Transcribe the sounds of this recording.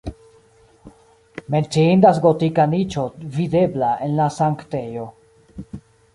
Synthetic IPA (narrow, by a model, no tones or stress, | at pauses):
ment͡siind̪as̬ɡot̪ikanit͡ʃo̞vide̞blaenlasaŋktejo̞